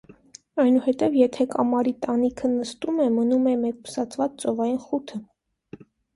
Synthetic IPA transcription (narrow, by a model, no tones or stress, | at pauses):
ɑjnuhɛt̪ɛvjɛt̪ʰɛkɑmɑɾit̪ɑnikʰənəst̪umɛmənumɛmɛkpu̥sɑt͡sʰvɑt͡st͡sɔvɑjinχut̪ʰə